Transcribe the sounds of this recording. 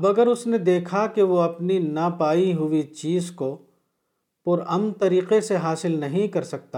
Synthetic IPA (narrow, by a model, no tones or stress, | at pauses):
ɐbɐɡəɾʊsned̪eːkʰakeʋoɐpninapaːiɦʊʋit͡ʃiːzko | pʊɾɐmnt̪ɐɾiːqeseɦaːsɪlnɐɦĩkɐɾsɐk̚t̪a